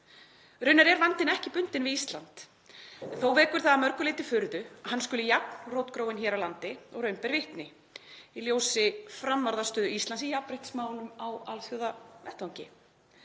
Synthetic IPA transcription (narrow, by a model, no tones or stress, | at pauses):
ɾʏɥnːaɾɛɾvant̪ɪnɛhcɪpʏnt̪ɪnvɪist̪lant̪ | ɛnθowvɛːkʏɾ̥θaðamœɾkʏlɪːt̪ɪfʏɾðʏaɦanːskʏlʏjak̚nrowt̪kɾoːwɪnçɛːɾawlant̪ɪɔɣɾœɥmpɛɾvɪht̪nɪ | iljoːwsɪfɾamːaɾðast̪œːðʏist̪lansijapɾejht̪smaːwlʏmawalθjowðavɛht̪awɲcɪ